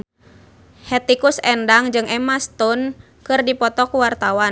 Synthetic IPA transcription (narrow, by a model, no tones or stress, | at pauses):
hɛt̪ikusɛndaŋd͡ʒɨŋɛmast̪ɔn | kɨrdipɔt̪ɔkuwart̪awa